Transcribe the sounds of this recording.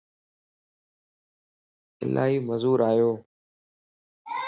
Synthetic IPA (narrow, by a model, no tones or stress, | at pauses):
ɪ̰lʔa̰ːɦiːməzuːɾaːjoː